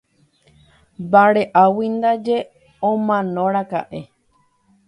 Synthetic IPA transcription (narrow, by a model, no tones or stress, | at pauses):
baɾeʔawind̪ad͡ʒe | õmãnõɾaka̰ʔe